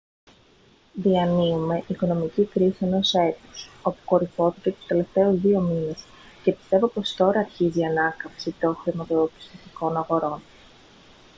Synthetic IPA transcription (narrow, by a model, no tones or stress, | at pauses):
ðiɐniume̞ʔiko̞no̞micikɾisie̞no̞se̞t̪uso̞pu̥ko̞ɾiθo̞θicet̪u̥st̪e̞le̞ft̪e̞ozðio̞mine̞s | ce̞pi̥st̪e̞vo̞po̞st̪o̞ɾɐːɾçiziɐnɐkɐfsit̪o̞xɾimɐt̪opi̥st̪osiko̞nɐɣo̞ɾo̞n